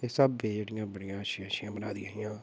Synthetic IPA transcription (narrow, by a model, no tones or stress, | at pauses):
eːsəbːeːd͡ʒeːɽɪjãːbəɽijãːʃɪãːʃɪjãːbənaːd̪iːaːijãː